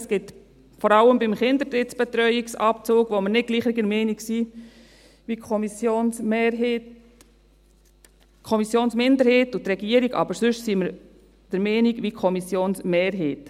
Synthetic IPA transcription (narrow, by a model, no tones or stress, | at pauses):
sɡ̥ɪt | fɔɾɑləmbɪmχɪnd̪əɾtɪtsb̥ɛt̪ɾœʏiksɑp̚t͡soːɡʋoməɾnɪd̚ɡ̥liːχɪɡəɾmeːniɡsi | ʋikʰɔmisjoːnː | kʰɔmisjoːnsmɪndəɾheːtʊt̪ɾɛɡiəɾiɡɑ̰bəɾsʏʃsiːməɾ | d̥əɾmeːniɡʋikʰɔmisjoːnsmeːɾɦeːt